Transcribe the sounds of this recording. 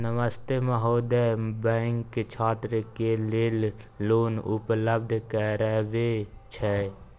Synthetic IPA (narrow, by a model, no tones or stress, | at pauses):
nəməst̪eməɦoːd̪ebɛ̃ːŋkt͡ʃʰaːt̪ɾəkeleːlː | oːnʊ̰pləb̚d̪ʱkɛɾəɦʋet͡ʃʰɛ